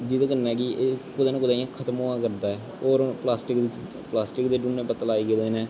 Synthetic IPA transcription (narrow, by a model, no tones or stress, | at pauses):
d͡ʒid̪aːkənɛ̃ːkiʔekʊd̪aːnːkʊd̪aːiãːkʰət̪moːãːkəɾd̪aːɛː | oːɾplaːsʈɪkd̪t͡ʃ | plaːsʈɪkd̪eːɖunːẽːbət̪əlaːiːɡd̪eːnɛ̃ː